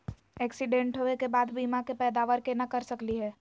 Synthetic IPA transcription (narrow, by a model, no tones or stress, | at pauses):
ɛːksɪɖẽɳʈɦoːekebaːd̪biːmakepɛːd̪aːʋəɾkenakɐɾsɐkliɦɛː